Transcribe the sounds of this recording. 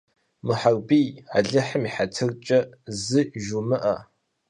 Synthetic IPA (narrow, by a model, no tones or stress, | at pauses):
mɨħarbija̰ːɮɨħəmiːħatʰɨrt͡ʃʼɐ | zɨʒumɨʔɐ